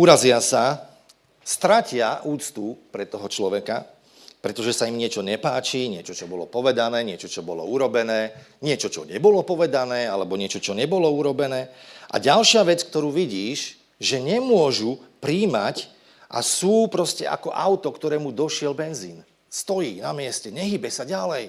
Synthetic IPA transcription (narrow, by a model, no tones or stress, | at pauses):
uɾazɪasa | st̪ɾacɪaʔuːt͡st̪upɾɛt̪ɔɦɔt͡ʃlɔʋɛka | pɾɛt̪ɔʒɛsaimɲɪɛt͡ʃɔɲɛpaːt͡ʃiɲɪɛt͡ʃɔt͡ʃɔbɔlɔpɔʋɛd̪anɛːɲɪɛt͡ʃɔt͡ʃɔbɔlɔ̰uɾɔbɛnɛː | ɲɪɛt͡ʃɔt͡ʃɔ̰ɲɛbɔlɔpɔʋɛd̪anɛːalɛbɔɲɪɛt͡ʃɔt͡ʃɔɲɛbɔlɔuɾɔbɛnɛːʔa̰ɟalʃɪaʋɛt͡sk̚t̪ɔɾuːʋiɟiːʒ | ʒɛɲɛmʊɔʒupɾiːmac | ʔa̰suːpɾɔscɛ̰ʔa̰kɔʔaʊt̪ɔkt̪ɔɾɛːmud̪ɔʃɪɛlbɛnziːn | st̪ɔjiːnamɪɛscɛɲɛɦiːbɛsaɟalɛj